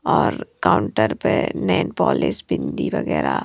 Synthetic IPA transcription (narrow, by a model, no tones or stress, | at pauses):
ɔːɾkaʊɳʈəɾpenɛ̃ːnpɔːlɪsbɪnd̪iʋəɡɛːɾa